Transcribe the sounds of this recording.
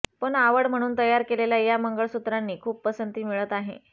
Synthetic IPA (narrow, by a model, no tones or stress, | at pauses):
pəɳaʋəɽm̤əɽ̃uːnt̪əjaɾkeleljajaməŋɡəɭsut̪ɾanːiːkʰuːp̚pəsənt̪iːmiɭət̪aɦḛ